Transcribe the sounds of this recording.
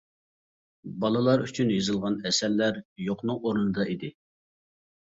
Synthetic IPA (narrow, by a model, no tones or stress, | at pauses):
bɑlˠɨlˠɑɾyt͡ʃʰynjɨzɨlˠʁɑnɛsɛɾlːæɾjoqnɨŋoɾnɨd̪ɑid̪ɪ